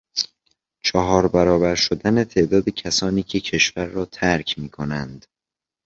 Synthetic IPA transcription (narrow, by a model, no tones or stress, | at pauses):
t͡ʃʰɒɦɒːɾbæɾɒːbæɾʃod̪æne̞t̪ʰe̞ʔd̪ɒːd̪ecʰæsɒːniːcʰe̞cʰe̞ʃvæɾːɒːt̪ʰæɾcʰmiːkʰo̞nænd̪̥